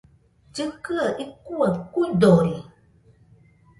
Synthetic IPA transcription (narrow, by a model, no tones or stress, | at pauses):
d͡ʒɨkɨaʔikuakudoɾi